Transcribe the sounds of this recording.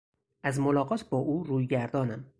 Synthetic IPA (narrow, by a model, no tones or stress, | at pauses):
ʔæzmolɒːɣɒːt̪ʰbɒːʔuːɾuːjɡæɾd̪ɒːnæm